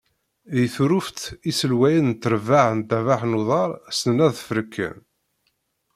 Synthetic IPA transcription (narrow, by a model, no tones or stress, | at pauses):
ðiθuɾuft̪isəlwæjənnt̪ːəɾvaʕənt̪ævaħnuðˤɑɾˤsnənæðfəɾəkːə̰n